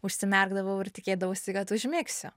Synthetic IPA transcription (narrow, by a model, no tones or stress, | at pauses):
ʊʃʲsʲɪmʲɛrɡd̪ɐʋɐʊɪrt̪ʲɪkʲeːd̪ɐʋɐʊsʲɪkɐt̪ʊʒʲmʲeːksʲʊ